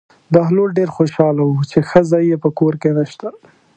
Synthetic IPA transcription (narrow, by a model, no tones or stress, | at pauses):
d̪ɑɦloɽɖeɾxoʃɑlawut͡ʃexəzɑjːepəkoɾkenəʃt̪a